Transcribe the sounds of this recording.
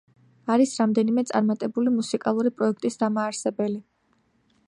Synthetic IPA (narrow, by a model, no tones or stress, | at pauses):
aɾisɾamd̪ɛnimɛt̪sʼa̰ɾmat̪ʼɛbulimusikʼalˠuɾipʼɾɔɛk̚ʰt̪ʼisd̪amaːɾsɛbɛli